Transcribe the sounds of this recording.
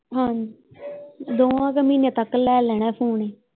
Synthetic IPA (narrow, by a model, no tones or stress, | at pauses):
ɦan | d̪oːãːkəmiːnẽːt̪əkːlɛːlɛːɽɛːpʰuːɳeː